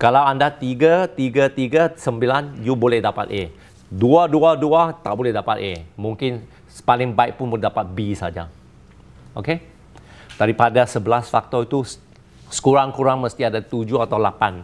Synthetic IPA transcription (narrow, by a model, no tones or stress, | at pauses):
kalawandat̪iɡət̪iɡat̪iɡəsəmbilanjubolɛhdapa̰t̪̚ʔe | duaduaduat̪aʔbolɛhdapat̪emũŋkɪn | spalɪŋbaɪk̚pʊnbolɛɦdapat̪̚bisa̰d͡ʒa̰ | oke | d̥̪aɾipadasəbəlasfak̚t̪ɔit̪u | sə̥kuɾaŋkuɾaŋməst̪iadat̪ud͡ʒuat̪awlapan